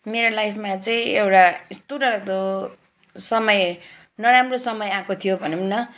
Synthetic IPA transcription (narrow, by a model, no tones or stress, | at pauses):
meɾolajpʰmat͡sʌĩewʈast̪uʈʌɾʌk̚d̪o | sʌmʌj | nʌɾamrosʌmʌjãkot̪ʰijobʱʌnumnʌ